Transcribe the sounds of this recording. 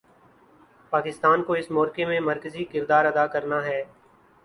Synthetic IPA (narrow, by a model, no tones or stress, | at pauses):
paːkɪst̪aːnkoːɪsmɔːɾkemẽməɾkəzikɪɾd̪aːɾəd̪aːkəɾnaːɦɛː